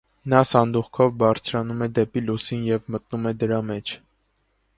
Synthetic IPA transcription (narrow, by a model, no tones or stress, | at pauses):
nɑsɑnd̪uχkʰɔvbɑɾt͡sʰɾɑnumɛd̪ɛpilusinjɛvmət̪numɛd̪əɾɑmɛt͡ʃʰ